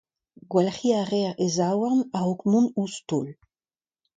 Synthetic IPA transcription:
ɡwalχiaʁɛʁezawaʁnaokmũnust̪ol

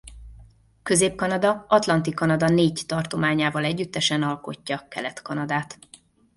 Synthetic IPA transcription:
køzeːp̚kɒnɒd̪ɒɒt̪lɒnt̪ikɒnɒd̪ɒneːɟt̪ɒrt̪o̞maːɲaːvɒlɛɟːyt̪ːɛʃɛnɒlko̞cːɒkɛ̰lɛt̪kɒnɒd̪aːt̪

